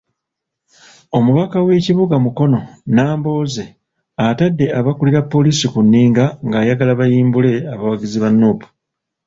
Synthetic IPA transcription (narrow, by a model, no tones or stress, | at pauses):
o̞muβakawe̞ciβuɡamuko̞no̞naːmbo̞ːze̞ | atadːe̞aβakuliɾapːo̞liːsikunːiːŋɡaŋɡaːjaɡalaβajiːmbule̞aβawaɡiziβanːupu̥